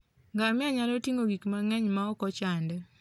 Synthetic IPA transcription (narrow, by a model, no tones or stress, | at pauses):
ŋɡamɪaɲalotiŋoɡikmaŋɛɲmaɔkɔt͡ʃandɛ